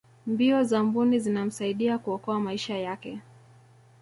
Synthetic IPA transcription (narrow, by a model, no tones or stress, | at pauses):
mbiɔzambunizinam̩saiɗiakuɔkɔamaiʃajakɛ